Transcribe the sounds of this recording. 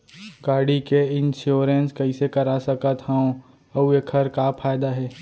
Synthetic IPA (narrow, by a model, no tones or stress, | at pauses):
kaːɾɖikeɪ̃nʃjoːɾenskɐisekɐɾasɐkət̪hɛõ | ɐuekʰɐɾkapʰaːjd̪aɦɛː